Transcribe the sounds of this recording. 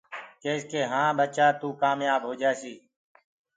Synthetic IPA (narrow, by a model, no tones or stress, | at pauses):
keːskeːɦãːɓət͡ʃaːt̪uːkaːmjaːbɦoːd͡ʒaːsiː